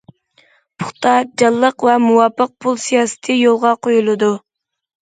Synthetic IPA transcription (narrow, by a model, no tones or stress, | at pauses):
pʰʊχt̪ʰɑd͡ʒɑlˠːəqvɛmuwɑpːəq̚pʰulˠsijɑːsɪ̥t̪ʰɨjolˠʁɑqʰojulˠɨd̪u